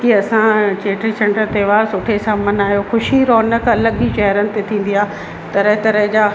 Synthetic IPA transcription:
kiɐsãt͡ɕeːʈɾisɐ̃ɳɖəɾt̪eʋasʊʈʰesaːmɐnaːijoxʊʃiɾɔːnəkɐləɡiʃɐɦɾənɪ̆t̪et̪ʰĩːn̆d̪iaː | t̪ɐɾəɦt̪ɐɾəɦd͡ʑa

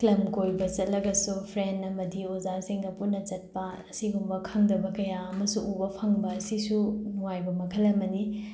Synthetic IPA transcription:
klɐmkojbɐt͡ʃɐt̚lɐɡɐsupʰɾenɐmɐdiozaɾsiŋdɐpuɾnɐt͡ʃɐt̚pɐɐsiɡumbɐkʰaŋdɐbɐkɐjaɐmɐsuubɐpʰɐŋbɐːsisunuwajbɐmɐkʰɐlɐmɐni

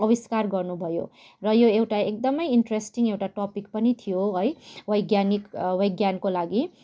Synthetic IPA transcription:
ʌbiskarɡʌrnubʱʌjo̰ | rʌjoewʈaek̚d̪ʌmʌjiɳʈresʈiŋewʈaʈopikpʌnit̪ʰijoɦʌjbʌjɡjanikbʌjɡjankolaɡi

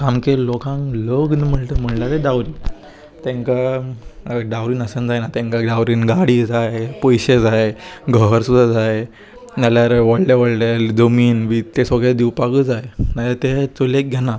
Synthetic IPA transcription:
kamkelɔkãŋkləɡnm̤əɳt̪əm̤əɳlat̪edawɾiː | t̪ẽŋka | ɖawɾiːnəsənd͡zajnat̪ẽŋkaɖawɾiːnɡaɽid͡zajepojɕed͡zajɡʱəɦəɾsud̪ʱad͡zaj | naljaɾʋəɽleʋəɽled͡zəmiːnʋit̪esoɡɭad̪iwpaɡəd͡zaenalat̪et͡solek̚ɡʱena

